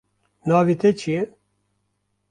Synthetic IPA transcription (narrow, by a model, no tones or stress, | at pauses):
nɑːvit̪ʰet͡ʃʰije